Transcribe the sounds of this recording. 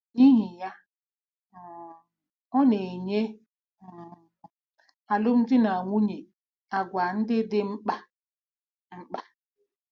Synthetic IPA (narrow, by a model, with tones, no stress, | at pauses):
ni˦ɦi˨ja˦˨ | ɔ˦ne˨ɲe˦˨ | a˨lʊ˦m̩˦d͡ʒɪ˦na˨ŋʷu˦ɲe˨ | a˨ɡʷa˨n̩˦dɪ˦dɪ˦ŋ͡m̩˦k͡pa˦ | ŋ͡m̩˦k͡pa˨